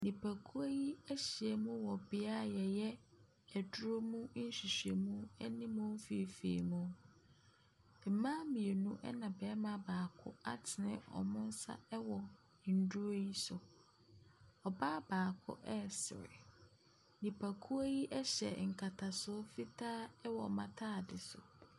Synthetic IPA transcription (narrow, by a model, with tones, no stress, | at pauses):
nĩ˨pʰæ˨kʰu˦a˦ji˦æ˦ɕi˨ɛ˨mũ˦wɔ˨bɪ˨a˦˨jɛ˨jɛ˦ | æ˨dʊ˦ɾo˦mũ˦n̩˦ɕi˨ɕᶣe˨mũ˦ɛ˦nĩ˦mũ˦m̩˦fi˦˨fḭ˨mũ˦˨ | mãː˦mĩ˨e˨nũ˦ʔɛ̰˦nã˨bɛː˨˦mã˦˨baː˨kʰʊ˦a˦tʰɪ˨nɪ̰̃˦ɔ̰˨mʊ̃˦n̩˦sa̰˦ɛ˦wɔ˨ | n̩˨du˦o˦ji˦sʊ˨ | ɔ˨ba˦baː˨kʰʊ̰˦ʔɛ˦˨sɪ̰˨ɾɪ̰˨ | nĩ˨pʰæ˨kʰu˦a˦ji˦ʔɛ˦ɕɛ̰˨ŋ̩˨kʰa˨tʰa˨sʊ˦fi˦tʰaː˦ɛ˦wɔ˨mã̰˦tʰaː˦˨dɪ˨sʊ̰˨